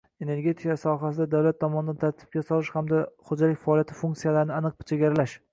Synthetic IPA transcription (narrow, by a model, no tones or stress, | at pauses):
e̞ne̞ɾɡʲe̞t̪ʰikasɒɦasɪd̪ad̪awlat̪ʰːɒmɒnɪd̪ant̪ʰaɾt̪ʰɪ̥p̚kʲasɒlˠɪʃhamd̪aχod͡ʒalɪkʲfaɒlˠjat̪ʰɪ̥fuŋkt̪sijalaɾɪnɪanɨq̚pɪt͡ʃʰeɡʲaɾalaʃ